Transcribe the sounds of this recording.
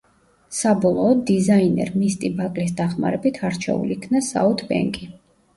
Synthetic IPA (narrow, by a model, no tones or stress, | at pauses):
sabɔlˠɔːd̪izainɛ̰ɾmist̪ʼibakʼlis̬d̪aχma̰ɾɛbit̪ʰaɾt͡ʃʰɛ̰ṵlikʰnasa̰ut̪ʰbɛ̰ŋkʼi